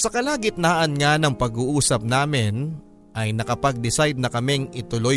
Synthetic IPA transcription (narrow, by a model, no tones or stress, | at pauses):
sɐkɐlaːɡɪt̪̚naːʔɐnŋanɐŋpɐɡuːʔuːsɐp̚naːmɪn | ʔɐjnɐkɐpɐɡ̚d̪ɪsajd̪̚nɐkɐmɪŋʔɪt̪ʊlo